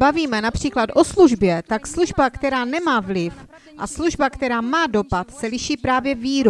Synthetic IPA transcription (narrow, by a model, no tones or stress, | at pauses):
baviːmɛnapr̝̥iːklat̪ʔo̞sluʒbjɛt̪aksluʒbakt̪ɛɾaːnɛmaːvlɪf | ʔasluʒbakt̪ɛɾaːmaːdo̞pat̪sɛlɪʃiːpɾaːvjɛviːɾu